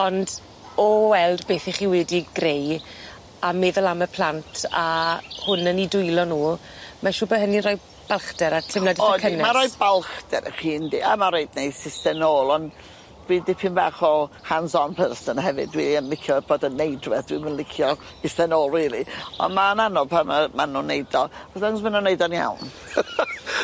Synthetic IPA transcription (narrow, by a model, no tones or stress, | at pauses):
ɔnd | ɔwɛlˠdbeːθiχiːwɛdiɡrej | amɛːðɛlˠaməpʰl̥ˠantʰahʊnənidʊjlˠɔnuː | maʃuːbəɦəninrɔj | b̥alˠχdɛɾatʰɪmladiɔkʰənɛmaɾɔjbalˠχd̥ɛɾə̰χiːndia̰maɾejdnejsɪstɛnoːlˠɔn | dwiːdɪpʰɪnbaːχɔhansɔnpʰɛrsənhɦɛvɨ̰dwiːənlɪkʰjɔb̥oːdənːejdrɛθd̥wḭmənlɪkʰjɔ | ɪstɛnoːlˠriːlˠiɔ̰nmananɔpʰamamanunejdɔɔsdaŋsmənunejdɔnja̰wn